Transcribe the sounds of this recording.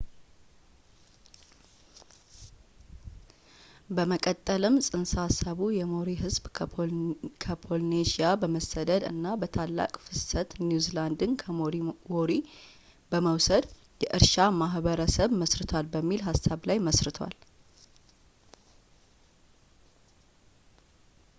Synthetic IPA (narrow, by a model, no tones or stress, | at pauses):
bəməkʼət̪ʼːəlɨmsʼɨnsasəβujɛmoɾiɦɨzb | kʰəpʰo̞lneʃijabəməsəd̪əd̪ɨ̰nːabət̪ʰalːa̰kʼfɨsət̪njuziland̪ɨnkʰwoɾi | bəməwsəd̪ | jɛʔɨɾʃamaɦbəɾəsəβməsɾɨt̪ʰwalbəmːilɦasːaβlajməsɾɨt̪ʰwa̰l